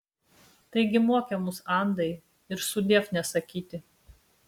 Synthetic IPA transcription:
t̪ɐɪɡʲɪmoɔkʲɛmʊsɑˑnd̪ɐɪ | ɪɾsʊd̪ʲeːfnʲɛsɐkʲiːt̪ʲɪ

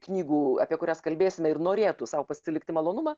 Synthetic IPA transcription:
knʲiːɡuːɐ̰pʲiɛkʊɾʲæːskɐlʲbʲeːsʲɪmʲɛɪrnoːɾʲeːt̪ʊsɐʊpɐsʲsʲɪlʲɪkt̪ʲɪmɐlˠoːnʊmɑː

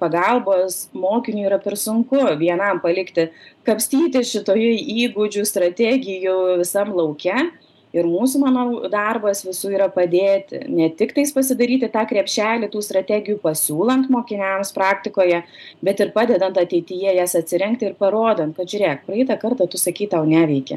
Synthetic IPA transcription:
pɐɡɐlˠboːsmoːkʲɪnʲuːiːɾɐpʲɛrsʊŋkʊʋʲiɛnɐmpɐlʲɪkt̪ʲɪkɐpʲsʲt̪ʲiːt̪ʲɪʃʲɪt̪oːjʊiːɡʊd͡ʒʲust̪ɾɐt̪ʲæɡʲɪjuʋʲɪsɐmlˠɐʊkʲɛ | ɪɾmuːsumɑːnoːd̪ɐrbɐsʋʲɪsuːiːɾɐpɐd̪ʲeːt̪ʲɪ̰nʲɛt̪ʲɪkt̪ɐɪspɐsʲɪd̪ɐɾʲiːt̪ʲɪt̪ɑːkɾʲɛpʲʃʲæːlʲɪt̪uːst̪ɾɐt̪ʲæːɡʲɪjuːpɐsʲuːlˠɐnt̪moːkʲɪnʲɛmspɾɑːkt̪ʲɪkoːjɛ | bʲɛt̪ɪrpɑːd̪ʲɛd̪ɐnt̪ɐt̪ʲɛɪt̪ʲɪjɛjæsɐt̪ʲsʲɪɾʲɛŋkt̪ʲɪɪɾpɐɾoːd̪ɐnt̪kɐt̪ʒʲʊɾʲeːkpɾɐɛɪt̪ɐkɐrt̪ɐt̪ʊsɐkʲiːt̪ɐʊnʲæːʋʲɛɪkʲɛ̰

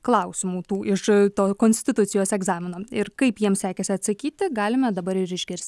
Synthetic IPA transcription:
klˠɐʊsʲɪmuːt̪uːʔɪʃt̪oːkoːnʲsʲt̪ʲɪt̪ʊt̪sʲɪjoːsɛɡzɑːmʲɪnoːɪɾkɐɪpjiɛmsʲæːkʲɛsʲɪɐt̪sɐkʲiːt̪ʲɪɡɑːlʲɪmʲɛd̪ɐbɐɾɪɾɪʒʲɡʲɪɾʲsʲt̪ʲ

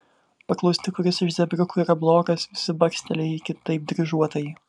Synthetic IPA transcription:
pɐklˠɔʊsʲt̪ʲɪkʊɾʲɪsɪʃzʲɛbʲɾʲʊkʊiɾɐblˠoːkɐsʋʲɪsʲɪbɐkʲsʲt̪ʲɛlʲɛɪjikʲɪt̪ɐɪp̚d̪ʲɾʲɪʒuɔt̪ɐji

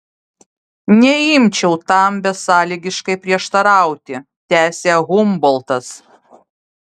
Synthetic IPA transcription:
nʲɛɪmʲt͡ʃʲɛʊt̪ɐˑmbʲɛsɑːlʲiːɡʲɪʃkɐɪpʲɾʲiɛʃt̪ɐɾɑˑʊt̪ʲɪ | t̪ʲæːsʲeːɣʊmbɔlˠt̪ɐs

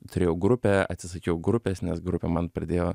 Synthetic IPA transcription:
t̪ʊɾʲeːjɛʊɡɾʊpʲɛɐ̰t̪ʲsʲɪsɐkʲɛɛʊɡɾʊpʲeːsnʲɛsɡɾʊpʲɛmɐnpɾɐd̪ʲeːjoː

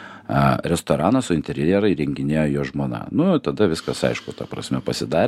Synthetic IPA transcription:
ɐɾʲɛst̪oːɾɑːnɐssʊɪnʲt̪ʲɛɾʲjɛɾɐɪɾʲɛŋʲɡʲɪnʲeːjoːjoːʒmoːnɑ̰ːnʊt̪ɐd̪ɐʋʲɪskɐsɐ̰ɪʃkʊt̪ɐpɾɐ̰sʲmʲɛpɐsʲɪd̪ɑːɾʲ

